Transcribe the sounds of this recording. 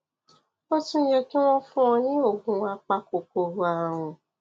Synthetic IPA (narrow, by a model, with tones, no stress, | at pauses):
o˦tũ˦jɛ˧ki˦w̃ɔ̃˦fũ˦ɔ̃˧jĩ˦o˦˨ɡũ˧a˧k͡pa˧ko˨ko˨ɾo˧˦a˨w̃ɔ̃˧